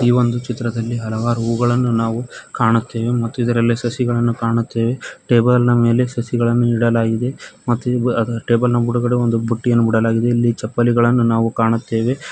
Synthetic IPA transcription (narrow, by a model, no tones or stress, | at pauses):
iːʋo̞nd̪ut͡ʃit̪ːɾɐd̪ɐlːiɦɐlɐʋaːɾuuːɡɐɭɐnːunaːʋukaːɳut̪ːe̞ːʋe̞mɐt̪ːuid̪ɐɾɐlːeːsɐsiɡɐɭɐnːukaːɳut̪ːe̞ːʋe̞ʈe̞ːbɐlnɐme̞ːle̞sɐsiɡɐɭɐnːuiɽɐlaːɡid̪e̞mɐt̪ːuɐʈe̞ːbɐlnɐbuɽuɡɐɽeond̪ubʱuʈːijɐnːubiɽɐlaːɡid̪e̞ilːit͡ʃɐpːɐliɡɐɭɐnːunaːʋukaːɳut̪ːe̞ːʋe̞